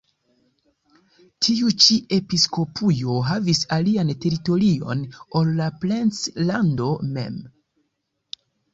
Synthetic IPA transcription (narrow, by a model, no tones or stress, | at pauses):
tʰiut͡ʃiʔe̞pisko̞pʰujo̞ɦavisaliante̞ɾito̞ɾio̞̰nolːaplent͡slando̞me̞̰m